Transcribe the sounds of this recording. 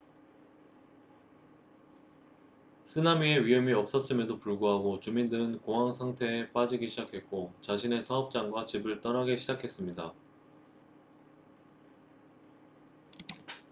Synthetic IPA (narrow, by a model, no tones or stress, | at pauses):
sʰɯnamie̞ɥijʌmiʌp̚s͈ʌs͈ɯmedopuɭɡoɦaɡot͡ɕumindɯɾɯnkoŋɦwaŋsʰaŋtʰe̞ːp͈ad͡ʑiɡiɕʰid͡ʑakʰe̞t̚k͈ot͡ɕaɕʰine̞sʰaʌp̚t͡ɕ͈aŋɡwat͡ɕibɯɭt͈ʌnaɡeɕʰid͡ʑakʰe̞s͈ɯmɲida